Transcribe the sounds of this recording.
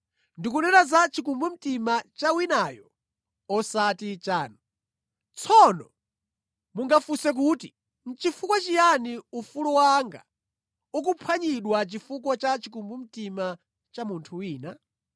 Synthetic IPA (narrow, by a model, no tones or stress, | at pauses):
ndikunɛɾazat͡ʃikumbum̩timat͡ʃawinajɔ | ɔsatit͡ʃaːnɔ | t͡sʰɔnɔ | muŋɡafusɛk̬uti | n̩t͡ʃifukwɔt͡ʃijaniufulɔwaŋɡa̰ | uk̬upʰwaɲiɗwat͡ʃifukɔt͡ʃat͡ʃikumbum̩tima | t͡ʃamuntʰuwiːna